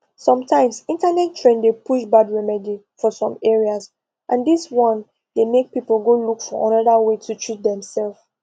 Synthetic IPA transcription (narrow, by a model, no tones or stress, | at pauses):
sɔ̃mtʰãɪ̃msĩntanɛttʰɹẽndepuʃbadɹɛmɛdi | fɔsɔ̃mɛɹiaz | ʔãndiswɔ̃n | demek̚pipəl̩ˠɡolukfɔʔãnɔdawetʰutʰɹit̚dɛ̃msɛlf